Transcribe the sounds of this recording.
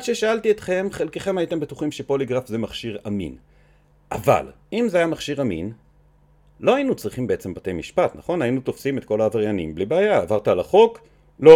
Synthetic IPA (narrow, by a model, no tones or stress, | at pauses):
dʃeʃaalt̪iet̪χe̞mχe̞lkeχe̞mhajit̪embet̪uχimʃepo̞liɡʁafzemaχʃiʁamḭn | ʔava̰l | imzeajamaχʃiʁamḭn | lo̞ainut͡sʁiχimbeet͡se̞mbat̪e̞jmiʃpat̪naχo̞nainut̪o̞fsimet̪ko̞laːvaʁjanḭmblibeajaːvaʁt̪aːlaχo̞k | lo